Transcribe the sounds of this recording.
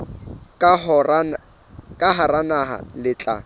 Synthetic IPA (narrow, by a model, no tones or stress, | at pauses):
r | kʼaɦaɾanaɦa̰lɪt͡ɬʼa̰